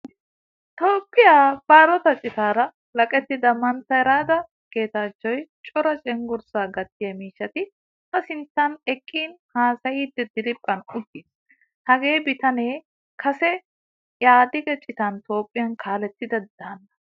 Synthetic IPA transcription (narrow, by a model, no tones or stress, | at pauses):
t̪o̞ːpʼːɪjaːb̥aːɾɔt̪ɐt͡ʃʼɪt̪aːɾɐ | lɐkʼɛt̪ːɪd̪ɐmɐnt̪ɐɛɾaːd̪ɐ | ke̞ːt̪aːt͡ʃːɔjt͡ʃʼɔɾɐt͡ʃʼɛŋɡʊɾsaːɡɐt̪ːɪjɐmiːʃːɐt̪ɪ | tɐsɪnt͡sːɐnɛkʼːiːnhaːsɐjiːd̪ːɛd̪ɪɾɪpʼːɐnʊɡ̪ːiːs | hɐɡeːbɪt̪ɐneː | kʰɐsɛ | jaːd̪ɪɡɛt͡ʃʼɪt̪ɐnt̪o̞ːpʼːɪjɐnkʰaːlɛt̪ːɪd̪ɐd̪aːnːɐ